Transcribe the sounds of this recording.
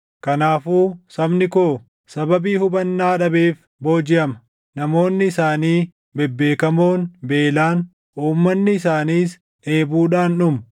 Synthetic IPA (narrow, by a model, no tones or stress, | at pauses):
kɐnaːfuːsɐbnɪkoː | sɐbɐbiːhʊbɐnːaːᶑɐbeːf | bo̞ːd͡ʒɪʔɐmɐ̥ | nɐmo̞ːnːɪɪsaːniː | bɛbːe̞ːkɐmo̞ːnbe̞ːlaːn | ʔuːmːɐnːɪːsaːniːs | e̞ːbuːᶑaːnːʊm